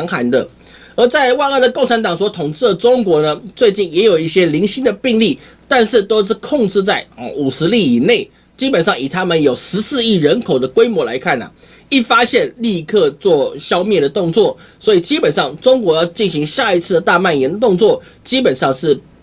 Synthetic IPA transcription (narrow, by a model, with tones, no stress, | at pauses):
ŋxa˧˥nd̪ə˨ | ə˧˥t͡sa˥˧ɪwa˥˧ə˥˩d̪ə˩ko˥˩ŋʈ͡ʂʰa˧˥nt̪ɑ˨˩ŋswɔ˧˥t̪ʰʊ˨˩ŋt͡sɻ̩˥˩d̪ə˩t͡sʊ˥ŋkwɔ˧˥nə˧t͡swe˥˧ɪt͡ɕi˥˩njɛ˧˥jo˨˩i˥˩ɕjɛ˥li˧˥ŋɕi˥nd̪ə˨pi˥˧ŋli˥˩ | t̪a˥˧nʂɻ̩˥˩t̪o˥ʊʂɻ̩˥˩˧kʰʊ˥˧ŋʈ͡ʂɻ̩˥˧t͡sa˥˩ɪə˨˩u˨˩ʂɻ̩˧˥li˥˩i˨˩ne˥˩ɪ | t͡ɕi˥pə˨˩nʂɑ˥˩ŋi˨˩t̪ʰa˥mə˨njo˨˩ʊʂɻ̩˧˥sɹ̩˥˧i˥˩ɻə˧˥nkʰo˨˩ʊd̪ə˦kwe˥ɪmwɔ˧˥la˧˥ɪkʰa˥˩nə̰˩ | i˥˩fa˥ɕjɛ˥˧nli˥˧kʰɤ˥˧t͡swɔ˥˩ɕjɑ˥ʊmjɛ˥˩d̪ə˩t̪ʊ˥˧ŋt͡swɔ˥˩ | swɔ˧˥i˨˩t͡ɕi˥pə˨˩nʂɑ˥˩ŋʈ͡ʂʊ˥ŋkwɔ˧˥jɑ˥˧ʊt͡ɕi˥˩nɕi˧˥ŋɕja˥˩i˧˥t͡sʰɹ̩˥˩d̪ə˩t̪a˥˧ma˥˩njɛ˧˥nd̪ə˨t̪ʊ˥˧ŋt͡swɔ˥˩ | t͡ɕi˥pə˨˩nʂɑ˥˧ŋʂɻ̩˥˩